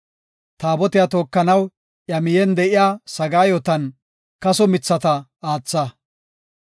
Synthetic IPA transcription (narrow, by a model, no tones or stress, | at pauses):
t̪aːbɔt̪ɪjaːt̪o̞ːkːɐnɐw | ʔjɐmɪjɛnd̪ɛʔɪjaːsɐɡaːjɔt̪ɐn | kɐsɔmɪt͡sːɐt̪ɐ | aːt͡sːɐ